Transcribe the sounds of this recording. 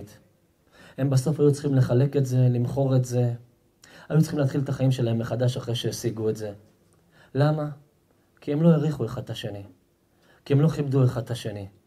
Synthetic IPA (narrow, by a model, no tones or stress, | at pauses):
t̪ | he̞mbaso̞fajut͡sχimle̞χale̞ke̞tze̞limχo̞ʁe̞tze̞ | ajut͡sχimleat̪χilt̪aχaimʃe̞lae̞mːeχadaʃaχʁeʃeesiɡue̞tze̞ | lama | kie̞mlojeʁiχueχad̚aʃe̞ni | kie̞mlo̞χibd̪ueχad̚aʃe̞ni